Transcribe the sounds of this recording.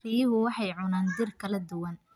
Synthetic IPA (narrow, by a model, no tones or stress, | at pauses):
rɪjɪɦʊwɑħɑjʕʊnaːnd̪ɪrkʰɐlɐd̪ʊwɐn